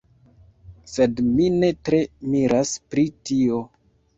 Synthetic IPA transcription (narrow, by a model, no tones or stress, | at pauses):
se̞dmine̞tɾe̞miɾaspɾitio̞